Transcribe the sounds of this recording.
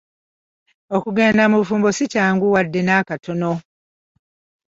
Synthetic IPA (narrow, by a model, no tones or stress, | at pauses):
okuɡeːndamufuːmbosicaːŋɡuwadːe̞naːkatʰo̞no